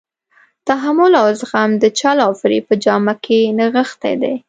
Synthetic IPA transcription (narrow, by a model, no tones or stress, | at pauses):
t̪aɦamʊlawzɣamd̪ət͡ʃɑlɑwfɾipəd͡ʒɑmakʰenaɣəxt̪ḛjd̪ḛ